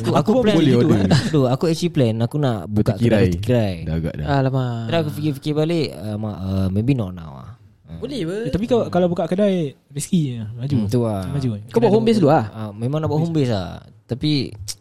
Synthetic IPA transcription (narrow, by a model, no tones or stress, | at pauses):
t̪uakuploudoakuɛsiplɛnakuna̰ʔbukaʔkiɾaaj̪kiɾajdaɡa̰ʔda̰alamaɾaakufikifikibaleʔəmaəmebinɔʔna̰wa̰h | əbolɛhbət̪apikakalabukaʔkədaj | riskiəmad͡ʒut̪uamad͡ʒukabaʔhumbes̬luahəmemãŋnaʔbaʔɦumbes̬a̰ | t̪api